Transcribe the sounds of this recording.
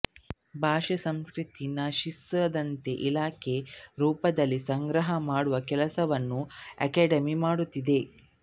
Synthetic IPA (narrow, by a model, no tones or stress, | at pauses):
bʱaːʃɐsɐmskɾit̪inaːʃisɐd̪ɐnt̪e̞ʔilaːkʰe̞ɾuːpɐd̪ɐlːisɐŋɡɾɐɦɐmaːɽuʋɐkɛlɐsɐʋɐnːuɐ̰keːɖɐmimaːɽut̪ːid̪e̞